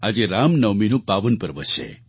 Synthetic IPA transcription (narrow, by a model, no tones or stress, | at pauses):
ad͡ʒeɾamnəʋminũpaʋənpəɾʋə̰ʃʰḛ